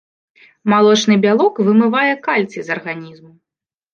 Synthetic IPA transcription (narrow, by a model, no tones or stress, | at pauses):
malˠɔt͡ʂnɨbʲalˠɔkvɨmɨvajɛkalʲt̪sɨzɐrɣanʲizmu